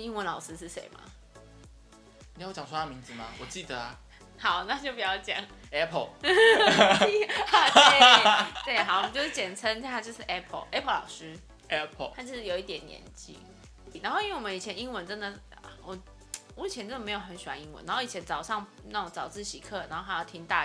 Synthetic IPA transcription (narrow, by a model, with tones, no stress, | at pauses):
i˥ŋwə˧˥nlɑ˨˩ʊʂɻ̩˥ʂɻ̩˥˩ʂḛ˧˦ɪma̰˦˨˩ | jt͡ɕjɑ˨˩ŋswo˥t̪a˥˩mi˧˥ŋd͡zɹ̩˨ma˨wɔ˨˩t͡ɕi˥˩d̪ə˩ɐ˩ | hɑ˨˦ʊna˥˧t͡ɕjo˥˩ʊpu˨˩jɑ˥˩ʊt͡ɕjɑ̰˨˩˦ŋɛ˥pʰə˥˩˨ | et̪we˥˩ɪxɑ˨˦wt͡ɕjo˥˧ʊʂ̩˥˩t͡ɕjɛ˨˩nt͡sʰə˦ŋ˥a˥t͡ɕjo˥˧ʊʂɻ̩˥˩ʔɛ˥pʰə̰˨˩ʔɛ˥pʰə˥˩lɑ̰˨˩ʊʂɻ̩˥ | ɛ˥pʰt̪ʰa˥t͡ɕjo˥˧ʊʂ̩˥˩o˨ʊi˥˩t̪jɛ˨˩nːjɛ̰˧˦nt͡ɕḭ˥˩ | na˧˦ŋxo˥˧ʊi˥wwə˦ni˨˩t͡ɕʰjɛ˧˦ni˥ŋwə˧˦nʈ͡ʂə˦nd̪ə˨ | a˨˩wɔ˨˩ | mu˥˩˨t͡ɕʰɛ˧˦nt͡sə˥nd̪ə˨me˧˥ɪjo˨˩ʊxə˧˦nɕy˨˩wa̰˧˦ni˧˥ŋwə̰˦nːa˧˦xo˥˩i˨˩ɛ˦nt͡sɑ˨ʊʂɑ˥˩ŋ | na˥˩ʈ͡ʂo˧˦ŋt͡sɑ˨˩ʊt͡sɹ̩˥˩ɕi˧˥kʰɤ˥˩na˨˧˦ŋxo˥˧a˧˥jɑ˥˩ʊt̪ʰi˧˥ŋt̪a˥˩